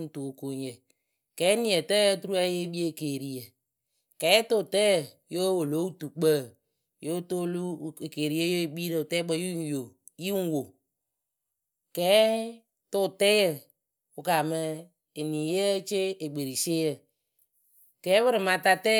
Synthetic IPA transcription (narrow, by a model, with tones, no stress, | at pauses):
n̩˨tu˨ko˨ɲ˨jə˨ | kɛː˨˦ni˦˨ə˨tə˦tu˦ɾu˦a˦je˦ɓi˦e˦˨keː˨ɾi˨jə˨ | kɛː˨˦tʊ˦˨tɛ˦jə˨ | jo˦wo˨lo˦u˦tu˨k͡pə˦˨ | jo˦to˦lu˦˨ke˨ɾi˦e˦jo˦˨ɓi˦ɾə˨ʊ˨tɛ˦ɡ͡bə˦ju˦jo˨ | ji˦ŋ˦wo˨ | kɛː˨˦ | tʊ˦˨tɛ˦jə˨ | ʊ˨ka˨mə˧ | e˨niː˨jə˦t͡ʃe˦e˨ɡ͡be˨ɾi˨seː˦jə˦˨ | kɛː˨˦bɨ˦ɾɨ˨ma˧ta˦tɛ˦